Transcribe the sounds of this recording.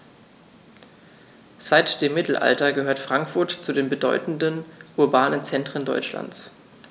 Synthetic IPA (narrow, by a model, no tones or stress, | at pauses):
z̥aɪtd̥eːmːɪtl̩ʔa̰ltɐɡəɦøːɐtfʁ̥aŋkfʊɐtt͡sudeːnbədɔ̰ʏtn̩dənʔʊɐbaːnənt͡sɛntʁ̥əndɔ̰ʏt͡ʃla̰nt͡s